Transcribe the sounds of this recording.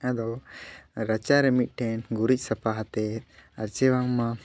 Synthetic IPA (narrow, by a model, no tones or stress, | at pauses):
ad̪ɔwɾɐt͡ʃaɾɛmit̪̚ˀʈʰɛnɡuɾic̚ˀsɐpaɦat̪ɛaɾt͡ʃɛwaŋma